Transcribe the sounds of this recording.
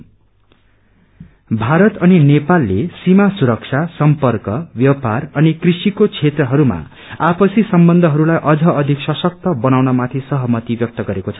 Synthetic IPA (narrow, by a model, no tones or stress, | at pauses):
bʱaɾʌt̪ʌninepalːesimasuɾʌk̚t͡sʰasʌmpʌrkʌbjʌparʌnikrisikot͡sʰet̪rʌɦʌɾuma̰ | apʌsisʌmbʌnd̪ʱʌɦʌɾulajʔʌd͡zʱʌʌd̪ʱiksʌsʌk̚t̪ʌbʌnawnʌmat̪ʰisʌɦʌmʌt̪ibjʌk̚t̪ʌɡʌɾekot͡sʰʌ̥